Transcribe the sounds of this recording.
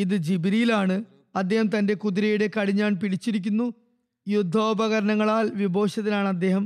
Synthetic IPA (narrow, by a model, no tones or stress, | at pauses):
iðɨd͡ʑibiɾijlaːɳɨ | ɐd̪ːe̞ːhɐmt̪ɐnde̞kuðiɾɐjuɽe̞kɐɻiɲːaːɳpiɽit͡ɕːiɾikʲːunːu | jud̪ʱːoːbɐɣɐɾɐnɐŋːɐɭaːlʋibʱo̞ːɕɐðilaːɳɐd̪ːe̞ːɦɐm